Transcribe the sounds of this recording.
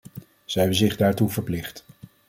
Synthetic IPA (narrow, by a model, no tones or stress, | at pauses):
z̥ɛɦɛbənzɪχdaːɹtuvəɹplɪχt